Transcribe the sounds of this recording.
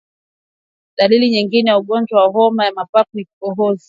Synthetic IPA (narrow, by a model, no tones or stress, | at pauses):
ɗaliliɲiŋɡinɛjauɠɔnd͡ʒwawaɦɔmajamapakuikkɔɦɔzi